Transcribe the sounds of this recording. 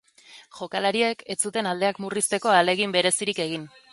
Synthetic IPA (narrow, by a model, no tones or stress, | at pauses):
ʝo̞kalaɾie̞kʰe̞t͡sut̪e̞nald̪e̞akmurist̪e̞ko̞ale̞ɣimbe̞ɾe̞siɾike̞ɣ̞in